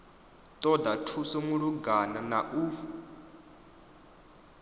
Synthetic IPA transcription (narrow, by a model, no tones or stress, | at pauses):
t̪ʼɔdatʰusɔmuɺuɡananaʔu